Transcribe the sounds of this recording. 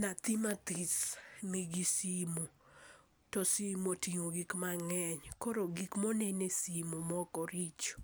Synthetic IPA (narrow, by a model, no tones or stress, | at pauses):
nat̪imat̪ismiɡisimo | tɔsimotiŋoɡikmaŋɛɲkoɾoɡikmɔnɛnesimomɔkɔɾit͡ʃo̥